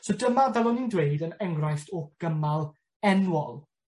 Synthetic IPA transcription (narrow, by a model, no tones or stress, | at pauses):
sodəmavɛlˠɔnindwejdənɛŋrajftʰɔɡ̥əmalˠ | ɛnwɔlˠ